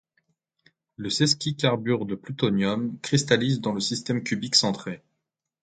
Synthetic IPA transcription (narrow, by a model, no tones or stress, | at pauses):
ləsɛskʲikaʁbyʁd̪əplyt̪ɔnjɔmkχist̪alizd̪ɑ̃ləsist̪ɛmkʲybiksɑ̃t̪χe